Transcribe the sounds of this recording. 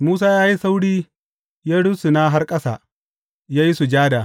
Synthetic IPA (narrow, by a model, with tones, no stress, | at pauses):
muː˦s̬aː˦jaː˦ji˦sa˦wɽiː˦ | jaː˦ɽʊ˦su˨na˦ɦa˦rkʼɐ˦sa̰ː˨ | jaː˦ji˦su˨d͡ʒaː˦da˨